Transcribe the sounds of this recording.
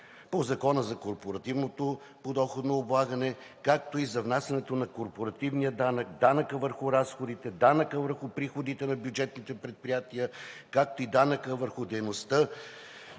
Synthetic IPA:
pozɐkɔnəzɐkoɾpoɾɐt̪ivnot̪o | pod̪ɔxod̪noːblˠaɡənɛ | kak̚t̪oizɐvnasʲɐnɛt̪onɐkoɾpoɾɐt̪ivnijəd̪anək̚d̪anəkəvəɾxʊɾasxod̪it̪ɛd̪anəkəvəɾxʊpɾixod̪it̪ɛnɐbʲjud͡ʒɛt̪nit̪ɛpɾɛt̪̚pɾijat̪iəkak̚t̪oid̪anəkəvəɾxʊd̪ɛjnost̪ə

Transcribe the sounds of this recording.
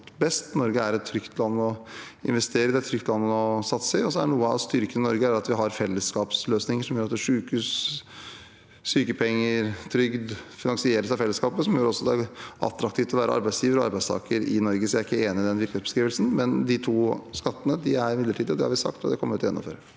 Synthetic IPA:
t̪bɛst̪nɔɾɡəæɾɛt̪ʰːɾʏkt̪ʰlɑnːɔ | ɪ̰nʋɛst̪eːɾəɪd̪ɛt̪ʰɾʏkt̪lɑnːəɔsɑt̪ːsɪɔsɔæɳuːəɑ̰st̪ʏɾkənɪnɔɾɡəæɾɑt̪ʋɪɦɑɾfɛlːəskɑːpsløːsnɪŋəʂɔmjøːɾɑt̪d̪ɛʂʉːkʉːs | syːkəpʰɛŋːəɾt̪ʰɾʏɡd̪fɪnɑŋsɪeːɾəsɛfɛlːəskɑːpəsɔmjøːɾɔsːɔɑd̪ɛæɾʔɑ̰t̪ɾɑk̚t̪ʰiːft̪ʰɔʋæːɾəɑ̰ɾbæɪsjiːʋəɾɔɑ̰ɾbæɪst̪ʰɑ̰ːkəɾɪ̰nɔɾɡəsɔæɾɪkːəeːnɪɪd̪ɛnʋɪɾkəesbə̥skɾiːʋəlsn̩mɛnd̪ɪt̪ʰuːskɑt̪ːənəd̪ɪæɾɪmɪd̪ləʈʰiːd̪ɔd̪ɛ̰hɑ̰ɾʋɪsɑ̰kt̪ɔ̰d̪ɛkʰɔməɾɪt̪ʰɔjɛ̰nːɔ̰mføːɾə

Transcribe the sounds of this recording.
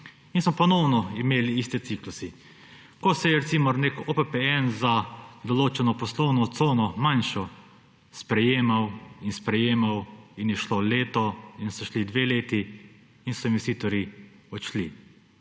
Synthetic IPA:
insmɔpɔnɔwnɔimeːliist̪ɛt̪siklusi | kɔsɛjɛɾɛt̪simɔɾnekopɛpɛɛnzad̪ɔloːt͡ʃɛnɔpɔslɔwnɔt̪soːwnɔmanʃɔ | spɾɛjeːmawinspɾɛjeːmawinjɛʃlɔleːt̪ɔinsɔʃlid̪ʋeːleːt̪iː | nsɔĩmʋwsit̪ɔɾiɔʃli

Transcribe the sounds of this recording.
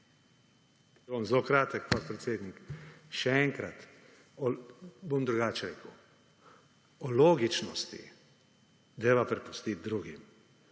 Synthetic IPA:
bomzlokɾaːt̪ɛkpɔt̪̚pɾɛt̪sʲeːd̪nikʃɛɛŋkɾat̪ | ɔbomd̪ɾuɡaːt͡ʃɛɾḛːkəw | ɔloːɡit͡ʃnɔst̪ḭ | d̪eʋapɾɛpu̥st̪it̪̚d̪ɾuːɡim

